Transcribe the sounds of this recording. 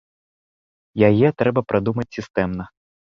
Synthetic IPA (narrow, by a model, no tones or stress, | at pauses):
jajɛt̪ɾɛbɐpɾʔad̪umɐt͡sʲsʲist̪ɛmnɐ